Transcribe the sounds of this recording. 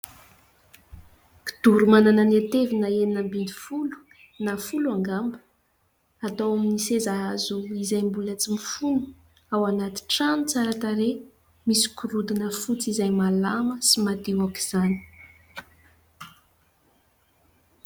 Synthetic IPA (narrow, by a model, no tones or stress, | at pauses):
ki̥d̪̥uɾumanananiat̪evinaeninambind̪i̥fulu̥ | nafuluaŋɡambə̥ | at̪awaminisezaazuizajmbulət͡simifunu̥ | awanat̪i̥ʈ͡ʂanut͡saɾət̪aɾe | misi̥kuɾud̪inəfut͡sizajmalaməsimad̪iwaki̥z̥ani̥